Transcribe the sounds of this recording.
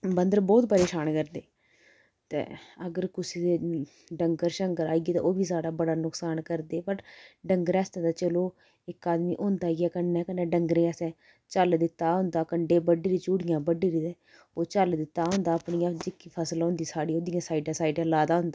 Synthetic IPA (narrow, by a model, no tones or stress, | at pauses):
bənd̪əɾbɔːt̪pəɾeːʃaːnkəɾd̪eː | t̪ḛ̃ːəɡəɾkʊsiːd̪eː | ɖəŋɡəɾʃəŋkəɾaːiːɡiːt̪ã̰ːoːbiːsaːɽaːbəɽaːnʊksaːnkəɾd̪eːpəʈɖəŋɡəɾɛːst̪ẽːd̪aːt͡ʃəloː | ɪkaːd̪miːʔõːnd̪aːɦɛɡɛːkənːɛ̃ːkənːɛ̃ːɖəŋɡɾẽːasɛ̃ː | t͡ʃəld̪ɪt̪ːaːɦʊ̃nd̪aːkəɳɖeːbəɖeːɾiːt͡ʃuːɽɪjãːbəɖiːɾiːd̪ɛː | oːt͡ʃəld̪ɪt̪ːaːɦʊ̃nd̪aːəpɳijãːd͡ʒɪkːiːpʰəsəlɦõːnd̪iːsaːɽiːoːd̪ɪjãːsaːiɖãːsaːiɖãːlaːd̪aːɦʊ̃nd̪aː